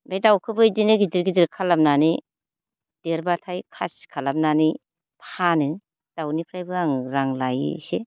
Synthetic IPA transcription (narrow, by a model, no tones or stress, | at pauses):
bejdawkʰɯbɯjdinɯɡidiɾɡidiɾkʰalamnani | d̥eɾbatʰajkʰaskʰalamnani | pʰanɯ | d̥awnipʰɾajbɯaŋɾaŋlaj̰se